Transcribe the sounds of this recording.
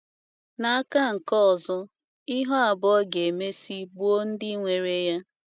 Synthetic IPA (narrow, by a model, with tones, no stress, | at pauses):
na˨a˦ka˦˨ŋ̩˨kɔ˦ɔ˨zɔ˦ | ɪ˦ɦɔ˦a˨bʊ˦ɔ˦ɡe˨me˦si˦bu˦o˦n̩˦dɪ˦ŋʷe˨ɾe˦ja˦